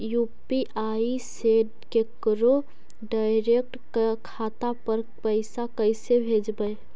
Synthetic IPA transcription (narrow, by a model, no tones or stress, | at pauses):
jupiʔaiseɖ | kekɾo | ɖaɪɾek̚ʈkakʰat̪apəɾ | pəɪsakəɪsebʱed͡ʒbəj